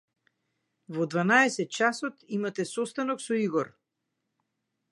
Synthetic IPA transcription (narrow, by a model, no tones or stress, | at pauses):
vɔd̪vanaɛsɛt̪̚t͡ʃasɔt̪imat̪ɛsɔst̪anɔksɔiɡɔɾ